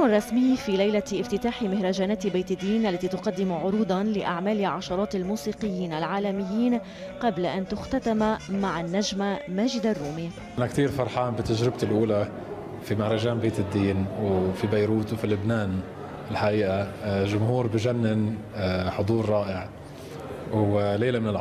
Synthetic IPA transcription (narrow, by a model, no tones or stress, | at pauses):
marˤːɑsmɪjːfilajlaʔɪft̪ɪt̪aːħɪmɪhɾˤɑʒaːnaːt̪beːt̪ɪd̪ːiːnʔalːat̪it̪ʊqɑd̪ːɪmʕʊɾuːd̪ɑnlɪʔaʕmaːlɪʕɑʃɑɾˤɑːt̪almuːsiːqɪjːiːnalʕaːlamɪjːiːn | qɑblaʔant̪ʊxt̪at̪amamaʕanːaʒmamaːʒɪd̪arˤːuːmi | ʔanakt̪iːɾfɑɾˤħaːnbɪt̪ːaʒɾɪb̚t̪ɪlʔuːla | fimahɾˤɑʒaːnbeːt̪ɪd̪ːiːnwfibajɾuːt̪wfilʊbnaːn | ɪlħaʔiːʔaʒʊmɦuːɾbɪʒanːɪn | ħʊd̪ˤuːɾˤɾˤɑːʔɪʕ | leːlamɪnɪl